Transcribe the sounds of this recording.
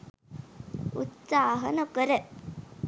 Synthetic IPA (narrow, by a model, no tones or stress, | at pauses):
ut̪saːɦɐnɐkəɾə